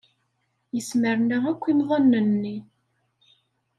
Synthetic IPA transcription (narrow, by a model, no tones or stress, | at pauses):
jəsməɾnæækʷːimðˤɑnːənːi